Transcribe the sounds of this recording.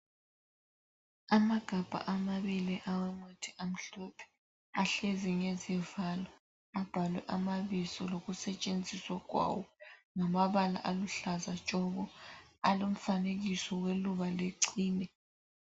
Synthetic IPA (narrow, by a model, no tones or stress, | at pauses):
amaɡ̥ʱab̥ʱa̰ʔamaβiliʔawɛmotʰiam̩ɬɔpʰɛ̥ | aɬeziɲezɛvalɔ | ab̥ʱalwɛʔamaβisɔloɣusɛt͡ʃʼend͡zʱiswakwa̰wɔŋamaβala̰ʔaluɬazat͡ʃʼɔɣɔalom̩faneɣisɔweluβaleǀiːnɛ